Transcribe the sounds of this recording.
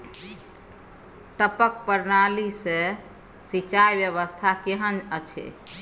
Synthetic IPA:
ʈəpəkpəɾnalise | sit͡ʃajbjəβəst̪ʰakeɦənət͡ʃʰḛ

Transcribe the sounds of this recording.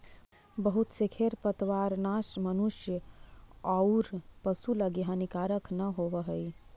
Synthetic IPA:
bəɦut̪sekʰeɾpət̪ʋaɾnasmənuʃjə | auɾpəsuləɡjãnikaɾəkʰnəɦoʋəɦəj

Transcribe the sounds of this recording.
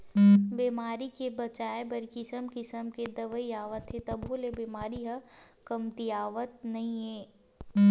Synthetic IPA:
beːmaːɾikebɐt͡ʃaːebɐɾkɪsəmkɪsəmked̪ɐʋəiaːʋət̪ɦet̪ɐbolebemaːɾiɦɐkɐmt̪iaːʋət̪̚nɐɦĩɦeː

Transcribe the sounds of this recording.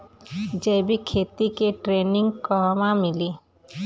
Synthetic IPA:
d͡ʒejbikʰet̪ikeʈɾeniŋkɔmamili

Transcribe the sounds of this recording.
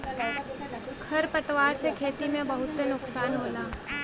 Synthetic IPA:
kʰɐɾpət̪ʋaːɾsekʰeːt̪imẽbɐɦʊt̪nʊksaːnɦoːlaː

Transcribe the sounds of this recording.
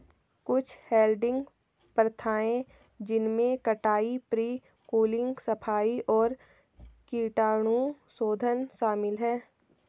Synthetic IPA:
kʊt͡ʃʰheːlɖɪ̃ŋɡ | pɾət̪ʰaːẽ | d͡ʒɪnmẽkɐʈaːipɾiː | kuːlɪ̃ŋɡsɐpʰaːiʔɔːɾ | kiːʈaːɽ̃ũsoːd̪ʱənʃaːmɪlɦɛː

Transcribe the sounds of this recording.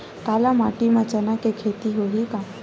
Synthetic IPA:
kaːlamaʈimãt͡ʃənakekʰet̪iɦoɦika

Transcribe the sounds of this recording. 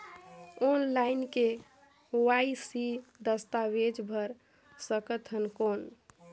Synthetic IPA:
onlainke | oaisid̪əst̪aʋed͡ʒbʱəɾ | səkət̪ɦənkon

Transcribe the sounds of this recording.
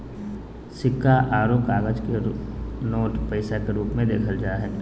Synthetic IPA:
sɪkːaʔaːɾoːkaːɡəd͡ʒkenoːʈpəɪsakeɾuːpmẽd̪eːkʰəld͡ʒaːɦɛː

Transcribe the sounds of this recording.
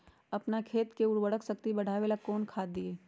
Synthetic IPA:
ɐpnakʰeːt̪keʊɽwəɽəksɐk̚t̪ibɐɽ̤aːʋeːlakoːnkʰaːd̪ːieː

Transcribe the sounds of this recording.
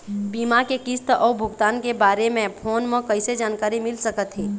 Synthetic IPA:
biːmakekist̪ʔɔːbʱʊɡt̪aːnkebaːɾemẽpʰoːnmẽkəɪsed͡ʒaːnkaːɾimɪlsəkət̪ɦeː

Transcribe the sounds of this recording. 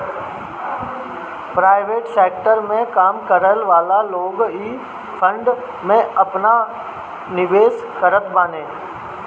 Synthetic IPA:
pɾaːɪʋeːʈseːk̚ʈəɾmẽkaːmkəɾəlʋaːlaloːɡiː | pʰə̃ɳɖ | mẽɐpna | nɪʋeːs | kəɾət̪baːnẽː

